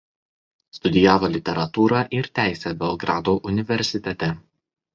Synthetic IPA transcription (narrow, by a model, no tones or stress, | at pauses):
st̪ʊd̪ʲɪjæːʋoːlʲɪt̪ʲɛɾɐt̪uːɾɑʔɪɾt̪ʲæˑɪsʲɛbʲɛlˠɡɾɑːd̪oːʔʊnʲɪʋʲɛɾʲsʲɪt̪ʲɛt̪ʲɛ